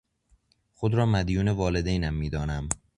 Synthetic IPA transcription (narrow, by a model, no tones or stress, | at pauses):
xod̪ɾɒːmæd̪juːne̞vɒːle̞d̪ejnæmːiːd̪ɒːnæm